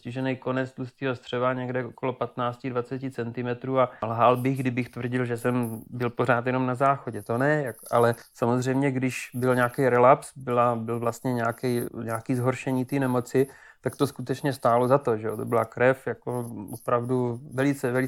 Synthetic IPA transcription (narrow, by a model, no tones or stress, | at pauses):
scɪʒɛnɛjko̞nɛt͡slust̪iːɦost̪r̝̥ɛvaɲɛɡdɛʔokolo̞pat̪naːt͡scɪdvat͡sɛcɪt͡sɛnt̪ɪmɛt̪ɾuːalɦalbɪɣɡdɪbɪxt̪vr̩ɟɪlʒɛsɛmbɪlpo̞ɾ̝aːt̪jɛnomnazaːxoɟɛt̪o̞nɛjakʔa̰lɛsamozr̝ɛjmɲɛɡdɪʃbɪlɲaːkɛjɾɛlapsbɪlabɪlvlast̪ɲɛɲaːkɛjɲaːkiːzɦoɾʃɛɲiːt̪iːnɛmo̞t͡sɪ | t̪akt̪o̞skut̪ɛt͡ʃɲɛst̪aːlozat̪o̞ʒɛjot̪o̞bɪla̰kɾɛfjako̞opɾavduvɛlɪt͡sɛvɛlɪ